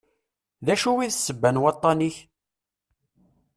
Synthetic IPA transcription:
ðæʃuwiðsːəbːænwɑt̪ˤːɑniç

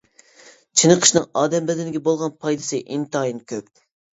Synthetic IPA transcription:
t͡ʃʰɨnəqʰə̥ʃnɨŋɑːd̪ɛmbɛd̪ɪnɪɡʲɛbolˠʁɑnpʰɑjd̪ɨsɨʔint̪ɨɑjinkʲʰøp̚

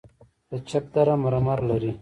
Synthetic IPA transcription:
d̪̥ət͡ʃʰap̚d̪aɾamaɾamaɾlaɾi

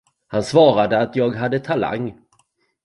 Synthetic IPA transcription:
hansvɑːɾad̪əat̪jɑːɡɦad̪ːət̪ʰala̰ŋː

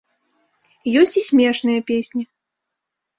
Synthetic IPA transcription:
jɔsʲt͡sʲisʲmʲɛʂnɨjɐpʲesʲnʲi

